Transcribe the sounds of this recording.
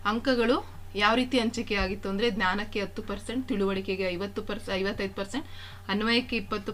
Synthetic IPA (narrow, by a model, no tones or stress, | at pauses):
ɐŋkɐɡɐɭu | jaːʋɾiːt̪iɐɲt͡ʃikeaːɡit̪ːuɐnd̪ɾe̞d̪nʲjaːnɐkːe̞ɐt̪ːupɐɾse̞ɳʈt̪iɭuʋɐɭike̞ɡeɐjʋɐt̪ːupɐɾsɐjʋɐt̪ːɐjd̪upɐɾse̞ɳʈ | ɐnuʋɐjɐkːeipːɐt̪ːu